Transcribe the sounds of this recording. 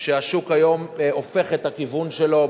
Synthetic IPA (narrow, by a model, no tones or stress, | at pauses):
ʃeaʃukajo̞mofe̞χet̪akivunʃelo̞